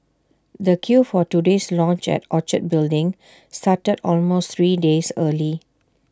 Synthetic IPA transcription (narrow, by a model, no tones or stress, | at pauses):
dəkʰjufɔtudeslɔ̃nt͡ʃɛ̰tɔt͡ʃət̚bɪldɪ̃ŋ | statədɔlmost̪ʰɹiːdesəli